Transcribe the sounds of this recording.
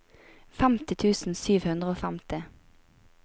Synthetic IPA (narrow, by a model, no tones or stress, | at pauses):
fæmt̪ɪt̪ʰʉːsn̩syːʋhʉnd̪ʁəoːfæmt̪ɪ